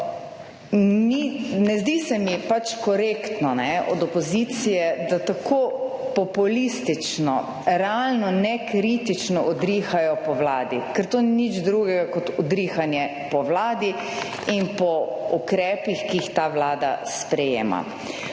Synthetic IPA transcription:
ninɛzd̪isɛmipat͡ʃkɔɾekt̪nɔnɛɔ̰d̪ɔpɔzit̪sijɛd̪at̪akʰoːpɔpulist̪it͡ʃnɔ̰ | ɾɛalnɔnɛkɾit̪it͡ʃnɔʔɔd̪ɾiːxajɔpɔwlaːd̪ikɛɾt̪oːnɛnid͡ʒd̪ɾuɡɛɡakɔt̪ɔd̪ɾiːxanjɛ | pɔwlaːd̪i | inpɔukɾɛːpixkiixt̪awlaːd̪a̰spɾɛjḛːma̰

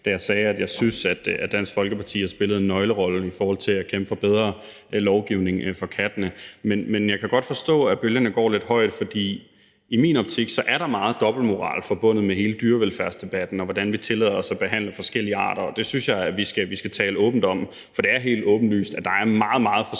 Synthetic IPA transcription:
d̥æjɑ̈ɪsɛːæd̥jɑ̈ɪsynsæd̥æ̥d̥æn̰sfɒ̽lɡ̥əpʰɑ̈t͡sʰḭːæɐsb̥e̝ləð̩ˠenːɒ̽ɪləʁɒ̽l̩ifɒːhɒ̽l̰t͡sʰe̝lækʰemb̥fɒb̥eð̞ˠʁɐ | lɒʊɡ̥iʊne̝ŋfɒ̽kʰæd̥nəmenmenjɑ̈ɪkʰæɡ̥ɒ̽d̥fɒ̽sd̥ɔ̰̽ːæb̥øljɐnəɡ̥ɒ̰ːle̝d̥ɦɒ̽ɪ̰d̥fɒ̽d̥ḭː | imiːnɒ̽b̥t͡sʰiɡ̥sɒ̽ʔæɐɾɑ̈mɑ̈ːð̞̩ˠd̥ɒ̽b̥l̩mo̝ʁɑ̰̈ːlfɒ̽b̥ɔ̽n̰ð̩ˠmeɦe̝ːləd̥yːɐʋelfæɐsd̥e̝b̥æd̥n̩ɒʋɒd̥ænʋit͡sʰe̝lɛ̰ðˠɐɒ̽sæb̥e̝ɦæn̰lɐfɒ̽sɡ̥el̰iəɑ̰̈ːɾ̥ɐɒ̽d̥e̝synsjɑ̈ɪæʋisɡ̥æʋisɡ̥æt͡sʰɛ̰ːləɔ̽ːb̥n̩d̥ɒ̽m | fɒ̽d̥e̝æɐɦe̝̰ːld̥ɔ̽ːb̥n̩dly̰ːsd̥æd̥ɑ̈æɐmɑ̈ːð̩ˠmɑ̈ːð̞̩ˠfɒ̽

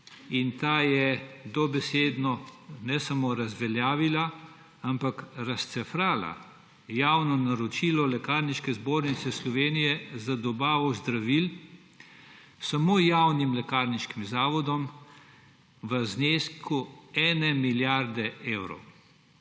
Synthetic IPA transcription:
int̪aːjɛd̪ɔbɛseːd̪nɔnɛsamoɾazʋɛljaːʋila | ampakɾast̪sɛfɾaːla̰ | jaːwnɔnaɾɔt͡ʃilɔlɛkaɾniʃkɛzboɾnit̪sɛslɔʋeːnijɛzad̪ɔbaːʋɔzd̪ɾaʋil | samoːjawnimlɛkaɾniʃkimzaːʋɔd̪ɔm | ʋəzneːskuɛːnɛmiljaɾd̪ɛewɾɔ̰w

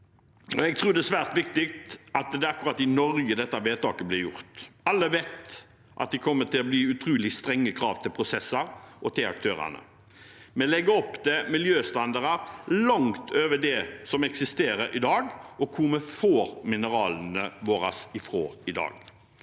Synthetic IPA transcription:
ɔɛɡ̚t̪ʰɾuːd̪ɛsʋæːʁt̪ʋɪkt̪ɪk̚t̪ɑt̪d̪ɛɑkːʊʁɑt̪ːɪnɔɾɡəd̪ɛt̪ːɑʋeːt̪ʰɑːkəblɪjʊ̰ɾt̪ɑlːəʋet̪ | ʔɑ̰t̪̚d̪ɪkʰɔmːət̪ʰɪlɔbliːʉt̪ʰɾʉːlɪst̪ɾɛŋːəkʰɾɑːʋt̪ʰɪlpʰɾʊsɛsːɑɾɔt̪ʰɪlɑ̰k̚t̪ʰøːɾæ̰nə̰ | mɛnlɛɡːəɔpːd̪ɛmɪljøːst̪ɑnd̪ɑɾɑɾlɔŋt̪ʰøːʋədɛsɔmɛksɪst̪eːɾəɾɪ̰d̪ɑːɡɔkʰuməfoːɾmɪnəɾɑːlən̩əʋoːɾɑsɪfʁo̰ːɪd̪ɑ̰ːɡ

